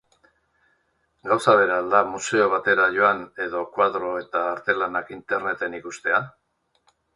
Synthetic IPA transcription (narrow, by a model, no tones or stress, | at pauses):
ɡawsaβ̞e̞ɾald̪amuse̞o̞β̞at̪e̞ɾaʝo̞ane̞ðo̞kwaðɾo̞e̞t̪aːɾt̪e̞lanakint̪e̞ɾne̞t̪e̞nikust̪e̞a